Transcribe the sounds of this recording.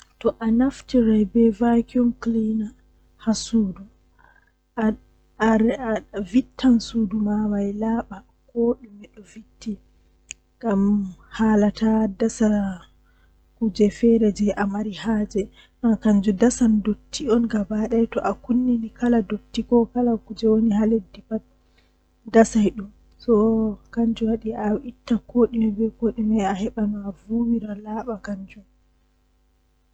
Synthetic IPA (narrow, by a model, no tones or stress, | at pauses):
tɔʔanaftiɾajbɛvakiɔmklina | hasuːdu | vitʰːansuːdumawajlaːɓa | koɗimɛɗɔvitʰːi | ɡamhaːlatadasa | kud͡ʒɛfɛɾɛd͡ʒɛʔamaɾihaːd͡ʒɛ | nakaɲd͡ʒudasandotʰːiɔnɡabaɗajtɔʔakunːinikaladotːikɔkalakud͡ʒɛwoniɦaledːipat̚ | dasajɗum | sɔkaɲd͡ʒuwaɗiaitːakʰoɗimɛbɛkoɗimɛahɛɓamavuwiɾalaːɓakaɲd͡ʒum